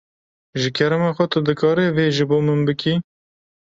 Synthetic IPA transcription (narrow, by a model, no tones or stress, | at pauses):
ʒɨkʰɛɾɛmɑxʷɛt̪ɨd̪ɨkʰɑːɾeveːʒɨboːmɨnbɨkʰi